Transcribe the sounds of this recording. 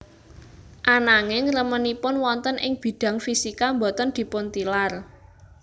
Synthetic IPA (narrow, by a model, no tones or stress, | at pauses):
ʔanaŋɪŋrəmənipʊnwɔnt̪ənʔɪŋb̥i̤d̥ä̤ŋfisikambɔ̤t̪ənd̪̥i̤pʊnt̪ilar